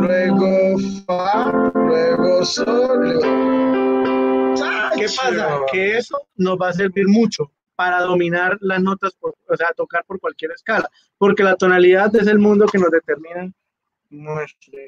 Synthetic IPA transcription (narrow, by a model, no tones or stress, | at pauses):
lweɣofalweɣosoljo | kepasake̞esono̞zbas̬e̞ɾbiɾmut͡ʃo̞ | paɾaðo̞mĩnaɾlazno̞t̪aspoɾoseat̪o̞kaɾpo̞ɾkwalkje̞ɾe̞skala | po̞ɾke̞lat̪o̞naliðaðes̬e̞lmũnd̪o̞ke̞no̞zd̪e̞t̪eɾmĩna | n